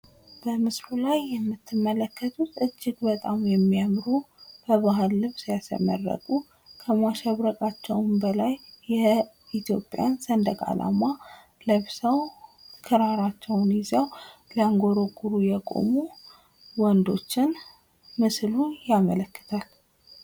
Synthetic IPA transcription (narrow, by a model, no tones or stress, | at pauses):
b̥əmɨsɾulajːɛmːɨt̪ʰːɨmːələkʰːət̪ʰut̪ɨd͡ʒːɪɡbət̪ʼamjɛmːiamɾub̥əβaɦɨlːɨβsjasə̰mə̰rːə̰kʼu | kʰəmaʃɛβɾəkʼat͡ʃːɛwnbəlajːɛ | it̪ʰjo̞pʼja̰nsənd̪əkʼa̰la̰ma | ləβsəwkʰɨɾaɾat͡ʃːɛwnɪzawlaŋɡo̞ɾoɡuɾujɛkʼo̰mu | wɔnd̪o̞t͡ʃːɪn | mɨslujamələkːɨ̥t̪ʰal